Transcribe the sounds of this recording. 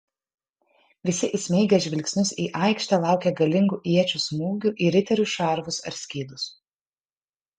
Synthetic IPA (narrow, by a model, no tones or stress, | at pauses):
ʋʲɪsʲɪʔɪsʲmʲɛɪɡʲɛʒʲʋʲɪlʲksʲnʲʊsiːʔɑˑɪkʃʲt̪ʲɛːlˠɑˑʊkʲeɡɐlʲɪŋɡuːʔiɛt͡ʃʲusmuːɡʲuːˑʔiɾʲɪt̪ʲɛɾʲʊʃɑˑɾʋʊsɐ̰ɾʲsʲkʲiːd̪ʊs